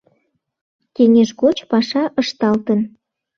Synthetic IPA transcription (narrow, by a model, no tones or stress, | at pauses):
keŋʲeʒɣot͡ɕpɑʃɑʔəʃt̪ɑlt̪ən